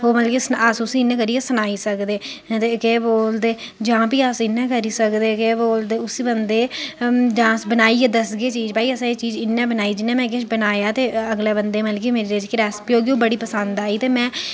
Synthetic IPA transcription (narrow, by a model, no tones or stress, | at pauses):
ɦoːməlkiːsasʊsiːɪnːɛ̃ːkəɾiːesənaːiːsəkd̪eːt̪eːkeːboːld̪eː | d͡ʒãːpiːaːsɪnːɛ̃ːkəɾiːsəkd̪eːkeːboːld̪eːʊsiːbənd̪eːd͡ʒãːsbənaːiːɛːd̪əsɡeːt͡ʃiːd͡ʒbaːiəsaːet͡ʃiːd͡ʒɪnːɛ̃ːbənaːiːd͡ʒɪnːɛ̃ːmɛ̃ːk̬ɪʃbənaːjaːt̪eːəɡlɛːbənd̪eːməlk̬iːmeːɾeːɾed͡ʒkɾɛːspioːɡioːbəɽiːpəsənd̪aːiːt̪eːmɛ̃ː